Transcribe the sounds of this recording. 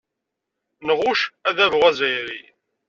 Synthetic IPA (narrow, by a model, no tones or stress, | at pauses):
nəʁʊʃæðævʁæzæjɾḭ